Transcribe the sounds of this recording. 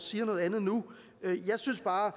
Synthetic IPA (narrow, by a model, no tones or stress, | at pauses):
siːɐnɔ̽ð̩ˠænð̩ˠnu | øjɑ̈ɪsynsb̥ɑ̈ː